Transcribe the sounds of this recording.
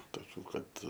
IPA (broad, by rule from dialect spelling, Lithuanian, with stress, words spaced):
toːˈkʲuː ˈkɐt